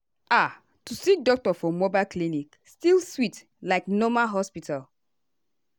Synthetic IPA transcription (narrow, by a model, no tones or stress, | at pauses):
a | tusik̚dɔk̚tɔfɔmɔbaɪlklinik | stilswit | laɪknɔmalɦɔspitʰal